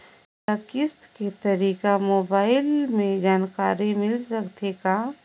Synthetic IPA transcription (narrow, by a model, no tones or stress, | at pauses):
akɪst̪ket̪əɾiːkamoːbaːɪlmẽd͡ʒaːnkaːɾimɪlsəkt̪eɡa